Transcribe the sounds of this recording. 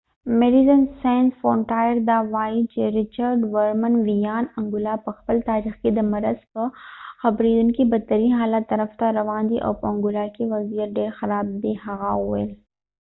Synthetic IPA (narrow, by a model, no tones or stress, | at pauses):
meɖizənsɛ̃ːnʈfõːɳʈaːjəɾd̪aːʋaːit͡ʃeɾɪt͡ʃəɾɖʋəɾmənʋijaːnɐ̃ŋɡʊlapɐxpəlt̪aːɾixkid̪ɐmɐɾəzpəxɐbɾiːd̪ʊnkibɐt̪ːəɾiːnɦaːlat̪ːɐɾəft̪aɾɐʋaːnd̪iʔɔ̰ːfɐ̃ŋɡʊlakiʋɐziːəɾɖeːxɐɾaːb̚d̪eɦɐɣaɦuel